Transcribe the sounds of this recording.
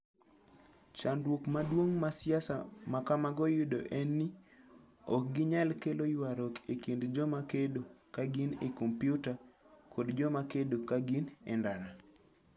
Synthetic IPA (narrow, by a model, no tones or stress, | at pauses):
t͡ʃandwokmadwoŋmasjasamakamaɡɔjʊdoʔenːi | ɔk̚ɡiɲalkelojwaɾɔkekindd͡ʒɔmakedokaɡinekompjuta | kodd͡ʒɔmakedokaɡinɛndaɾa